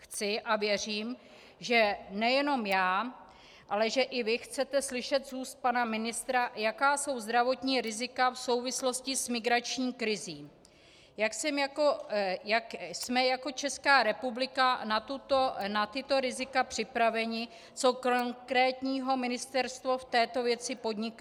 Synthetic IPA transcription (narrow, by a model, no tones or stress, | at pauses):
xt͡sɪʔavjɛr̝iːm | ʒɛnɛjɛno̞mjaː | ʔalɛʒɛʔɪvɪxt͡sɛt̪ɛslɪʃɛt̪zuːst̪̚panamɪnɪst̪ɾajakaːso̞wzd̪ɾavo̞t̪ɲiːɾɪzɪkafso̞wvɪslo̞scɪsmɪɡɾat͡ʃɲiːkɾɪziːm | jaksɛmjakojaksmɛjako̞t͡ʃɛskaːɾɛpublɪkanat̪ut̪onat̪ɪt̪o̞ɾɪzɪkapr̥ɪpɾavɛɲɪ | t͡so̞koŋkɾɛːt̪ɲiːɦo̞mɪnɪst̪ɛɾst̪voft̪ɛːt̪o̞vjɛt͡sɪpo̞d̪ɲɪk